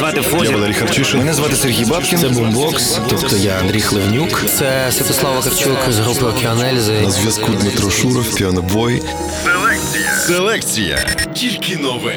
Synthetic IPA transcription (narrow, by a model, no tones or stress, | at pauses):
zʋɑt̪ɪwxɔjaʋɐlˠɛɾʲijxɐrt͡ʃɪʃɪmɛnɛzʋɑt̪ɪserɦʲijbɑpkʲɪnɛbumbɔks | t̪ɔpt̪ɔjaɐnd̪ɾʲijxlˠewnʲukt̪sɛ | sʋʲɐt̪ɔslˠɑwʋɐkɐrt͡ʃukzɦɾupɪɔkʲɪɐnɛlʲzɪnnɐzʋʲjɐskud̪mɪt̪ɾɔʃuɾɔwpʲiɔnɐbʋɔj | selˠɛkt͡sʲiɐselˠɛkt͡sʲijɐ̰tʲilʲkʲɪnɔʋɛ